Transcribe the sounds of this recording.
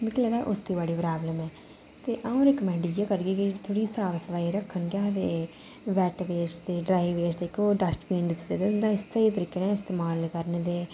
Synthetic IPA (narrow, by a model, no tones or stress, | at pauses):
mɪklɛːd̪aːʔʊst̪iːbaːɽiːpɾaːbləmɛː | t̪eːʔaõːɾɪkəmɛ̃ːɳɖijaːkəɾɡeːkɪt̪ʰoɽiːsaːʋsəʋaːiɾəkʰːənkaːd̪eː | ʋɛːʈʋeːt͡ʃd̪eːɖɾaːiʋeːt͡ʃd̪eːkːoːɖəsʈpĩːɳɖt̪d̪eːd̪eːʊnd̪aːɪst̪aːiːt̪əɾiːkeːnaːɪst̪eːmaːlkəɾned̪eː